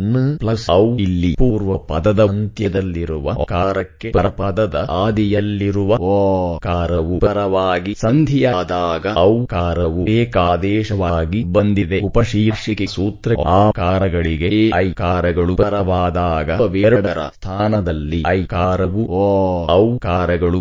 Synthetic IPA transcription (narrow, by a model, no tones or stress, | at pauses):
nːɨplɐsɐwilːipuːɾʋɐpɐd̪ɐd̪ɐnt̪jɐd̪ɐlːiɾuʋɐ̰kaːɾɐkːe̞pɐɾɐpɐd̪ɐd̪ɐaːd̪ijɐlːiɾuʋɐokaːɾɐʋupɐɾɐʋaːɡisɐnd̪ʱijaːd̪aːɡɐɐwkaːɾɐʋueːkaːd̪ɛːʃɐʋaːɡibɐnd̪ʱid̪e̞upɐʃiːɾʂikesuːt̪ɾɐaːkaːɾɐɡɐɭiɡeɐjkaːɾɐɡɐɭupɐɾɐʋaːd̪aːɡɐɐʋeɾɐɽɐɾɐ̰st̪ʰaːnɐd̪ɐlːiɐjkaːɾɐʋuoɐwkaːɾɐɡɐɭu